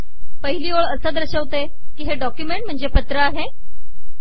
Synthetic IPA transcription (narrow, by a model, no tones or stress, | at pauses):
pəɦiliːoɭəsəd̪əɾɕəʋt̪e | kiːɦeɖɔkjumeɳʈ̚m̤əɳd͡zepət̪ɾəaɦe